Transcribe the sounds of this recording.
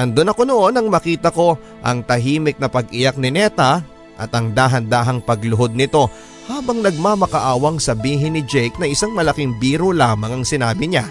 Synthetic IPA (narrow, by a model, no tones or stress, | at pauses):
ʔɐnd̪onɐko̞no̞ʔo̞nɐŋmɐkiːt̪ɐko̞ | ʔɐŋt̪ɐɦiːmɪk̚nɐpɐɡʔɪjak̚nɪnɛt̪ɐ | ʔɐ̰t̪ɐŋd̪aːɦɐnd̪aːɦɐŋpɐɡlʊɦo̞d̪̚nɪt̪o̞ | haːbɐŋnɐɡ̚mamɐkɐʔaːwɐŋsɐbiːɦɪnːɪd͡ʒɛjk̚nɐʔɪsaŋmɐlɐkɪŋbiːɾolaːmɐŋɐŋsɪnaːbɪɲa